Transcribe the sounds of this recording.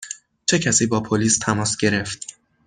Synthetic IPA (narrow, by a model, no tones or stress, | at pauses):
t͡ʃʰe̞cʰæsiːbɒːpʰoliːst̪ʰæmɒːsɟe̞ɾe̞ft̪̚